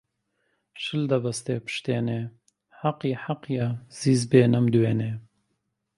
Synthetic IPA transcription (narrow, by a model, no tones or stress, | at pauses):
ʃɨld̪ɐbɐst̪eːpɨ̥ʃt̪eːneː | ħaqiːħaqjɐz̥iːzbeːnɐmd̪ɨweːneː